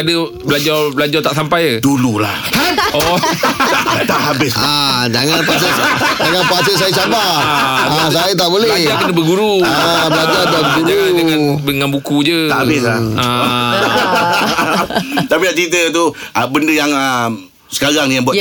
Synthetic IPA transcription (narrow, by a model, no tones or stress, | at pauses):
adə | bəlad͡ʒarbəlad͡ʒart̪aʔsampajədulula̰hɔ | t̪aʔɦabɪslaad͡ʒaŋanpasəd͡ʒaŋanpasəʔs̬ajəsabaaasajət̪̬aʔbolɛblad͡ʒarkənəbəɡuɾu | bəlad͡ʒaɾabəɡuɾuəŋanbəŋanbukud͡ʒəahabɪslaa | t̪apidaʔt͡ʃɾit̪ət̪uʔbəndəjaŋəm | sə̥kaɾaŋjaŋbua